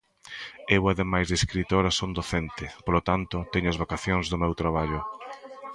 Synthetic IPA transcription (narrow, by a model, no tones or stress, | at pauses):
ewɐðemajzðeskɾit̪oɾɐsond̪oθent̪ɪpolot̪ant̪ʊt̪ɛɲʊɐzβakaθjoŋzðʊmewt̪ɾaβaʎʊ